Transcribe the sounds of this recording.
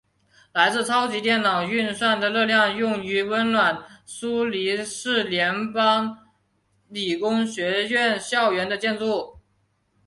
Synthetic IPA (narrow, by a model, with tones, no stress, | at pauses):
la˧˥ɪt͡sɹ̩˥˧t͡sʰɑ˥ʊt͡ɕi˧˥t̪jɛ˥˩nnɑ˨˩ŋy˥˧nswa˥˩nd̪ə˩lɤ˥˧ljɑ˥˧ŋjʊ˥˩ŋy˧˥wə˥nlwa˨˩nsu˥li˧˥ʂɻ̩˥˩ljɛ˧˥npɑ˥ŋ | li˨˩kʊ˥ŋɕɥɛ˧˥ɥɛ˥˧nɕjɑ˥˩ʊɥɛ˧˥nd̪ə˧t͡ɕjɛ˥˧nt͡su˥˩